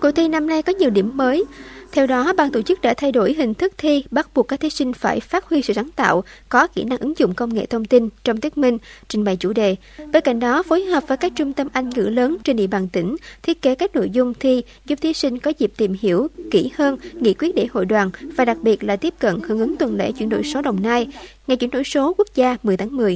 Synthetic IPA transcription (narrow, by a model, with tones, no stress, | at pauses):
kṵ˧˩t̪ʰi˧na˧mna˧jkɔ˨˦ɲi˨˩əwɗi˧˩əmːəː˨˦jt̪ʰɛ˧wɗɔ˨˦ɓa̰ː˧˨˩nt̪o̰˧˩t͡ɕɨ˦˥k̚ɗa̰ː˧˥t̪ʰa˧jɗo˧˩jɦï˨˩ŋ̟t̪ʰɨ˦˥k̚t̪ʰi˧ɓa˦˥t̚ɓu˨˩kːaː˦˥k̪̚ʰi˨˦si˧ŋ̟faː˧˩jfaː˦˥t̚hwi˧sɨ̰˧˨sa˨˦ŋt̪a̰ː˧˨wkɔ˨˦kḭ˧˩na˧ŋʔɨ˨˦ŋzʊ̰˧˨ŋ͡mkə˧wŋ͡mŋḛ˧˨t̪ʰə˧wŋ͡mt̪i˧nt͡ɕɔ˧ŋ͡mt̪i˦˥ək̚mï˧ŋ̟t͡ɕï˨˩ŋ̟ɓa˨˩jt͡ɕṵ˧˩ɗe˨ | ɓeː˧nka̰˧˩jŋ̟ɗɔ˨˦fo˨˦jɦəː˨˩p̚vəː˨˩jkaː˦˥k̚t͡ɕʊ˧ŋ͡mt̪ə˧mʔa˧jŋ̟ŋɨ̰˧˥ləː˨˦nt͡ɕe˧nɗḭ˧˨ɓaː˨˩nt̪ï˧˩ŋ̟t̪ʰi˦˥ət̚ke˨˦kaː˦˥k̚no̰˧˨jzʊ˧ŋ͡mt̪ʰi˧ | zʊ˨˩p̚t̪ʰi˨˦sï˧ŋ̟kɔ˨˦zi˨˩p̚t̪i˨˩mhi˧˩əwki˧˩həː˧nŋḭ˧˥kwət̚ɗe˧˩ho̰˧˨jɗwaː˨˩nvaː˨˩ɗa˨˩k̚ɓi˨˩ət̚laː˨˩t̪i˦˥əp̚kə̰˧˨nhɨ̰˧˩əŋʔɨ˨˦ŋt̪wə˨˩nlḛ˧˥t͡ɕwi˧˩nɗo̰˧˨jso˨˦ɗə˨˩wŋ͡mnaː˧jŋa˩jt͡ɕwi˧˩nɗo̰˧˨jso˨˦ku˦˥ək̚zaː˧mɨ˨˩əjt̪ʰaː˨˦ŋmɨ˨˩əj